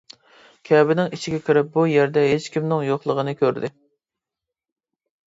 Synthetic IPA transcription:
kʲʰɛbɪnɪŋit͡ʃʰɪɡʲɛkʲʰɪɾɪp̚bujæɾd̪ɛɦet͡ʃkʲimnɪŋjoχlˠəʁənɨkʲʰøɾd̪ɪ

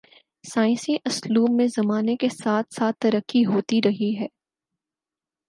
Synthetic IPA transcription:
saːɪ̃nsiʔɐsluːbːẽzɐmaːnekesaːt̪ʰsaːt̪ːɐɾəkːiɦoːt̪iɾɐɦiɦɛː

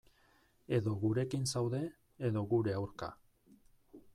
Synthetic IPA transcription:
e̞ðo̞ɣuɾe̞kinsawðe̞ː | ðo̞ɣuɾe̞awɾka̰

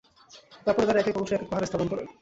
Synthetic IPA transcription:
t̪aɾpɔɾet̪aɾaɛkekɔmoʃoɛkepaɦaɾest̪ʰaponkɔɾḛ

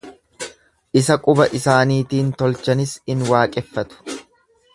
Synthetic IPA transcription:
ʔɪsɐkʼʊbɐʔɪsaːniːt̪iːnt̪ɔlt͡ʃɐnɪshɪnwaːkʼɛfːɐt̪ʊ̥

